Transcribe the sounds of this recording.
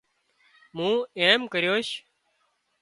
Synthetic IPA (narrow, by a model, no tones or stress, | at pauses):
mũːeːmkəɾjoːʃ